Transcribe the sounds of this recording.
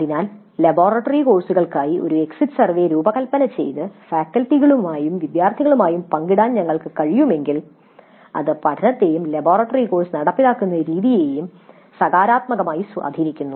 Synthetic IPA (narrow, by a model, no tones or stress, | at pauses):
ɐðinaːl | lɐbo̞ːrɐʈːɐriko̞ːrsuɣɐɭkaːjiʔo̞ɾue̞ksiʈːɨ̥sɐrʋeɾuːbɐkɐlpːɐnɐt͡ɕe̞̰jt̪ɨfaːkːɐlʈːiɣɐɭumaːjumʋid̪jaːrt̪ʰiɣɐɭumaːjumpɐŋɡiɽaːnɲɐŋːɐɭkɨkɐɻijume̞ŋɡil | ɐ̰ðɨpɐʈʰɐnɐt̪ːe̞ːjumlɐbo̞ːrɐʈːɐriko̞ːrsnɐɽɐpːiɽaːkːunːɐɾiːðije̞ːjum | sɐɣaːɾaːt̪mɐɣɐmaːjisa̰ːd̪ʱinikʲːunːu